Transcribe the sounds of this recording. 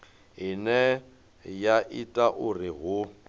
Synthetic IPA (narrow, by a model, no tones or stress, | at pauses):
ɦinɛ | jaʔitʼaʔʊrɪɦʊ